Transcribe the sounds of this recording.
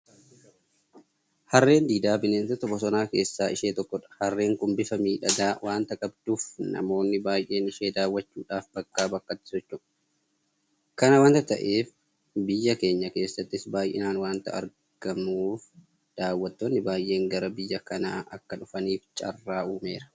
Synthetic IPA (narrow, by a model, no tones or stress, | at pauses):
hɐrːe̞ːnd̪iːd̪aːbɪneːnsɐt̪ɔbɔsɔnaːke̞ːsːaːɪʃe̞ːt̪ɔkːɔᶑɐ̥hɐrːe̞ːŋkʊmbɪfɐmiːᶑɐd̪aːwʔaːnt̪ɐkʼɐbd̪uːfnɐ̰mo̞ːnːɪbaːjʔe̞ːnɪʃe̞ːd̪aːwːɐt͡ʃːuːᶑaːfbɐkːaːbɐkːɐt̪ːɪ̥sɔt͡ʃːʊ̥ | kɐnɐwaːnt̪ɐt̪ɐ̰ʔe̞ːf | bɪjːɐke̞ːɲːɐke̞ːsːɐt̪ːɪsbaːjʔɪ̰naːnwaːnt̪ɐ̰ɐ̰ɾ | ɡ̥ɐmuːf | d̪̥aːwːɐt̪ːoːnːɪbaːjʔe̞ːŋɡɐɾɐbɪjːɐkɐna̰ːʔɐkːɐᶑʊfɐniːft͡ʃʼɐ̰rːaːuːme̞ːɾɐ̥